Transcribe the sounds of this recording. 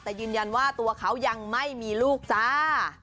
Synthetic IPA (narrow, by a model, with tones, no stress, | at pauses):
t̪ɛː˨˩jɯː˧nja˧nwaː˥˩t̪u˧ɐkʰa˦˥wja˧ŋma˥˩jmiː˧luː˥˩k̚saː˦˥